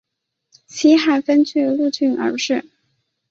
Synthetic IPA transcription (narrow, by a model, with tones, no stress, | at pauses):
t͡ɕʰi˥xa˨˩ɪfə˥nt͡ɕy˥˧lu˥˧t͡ɕy˥˩nʔə̰˞˧˥ʂɻ̩˥˩